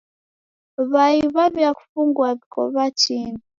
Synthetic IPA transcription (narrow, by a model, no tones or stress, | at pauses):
βaiβaβjaku̥fuŋɡwaβikɔ̰βat͡ʃini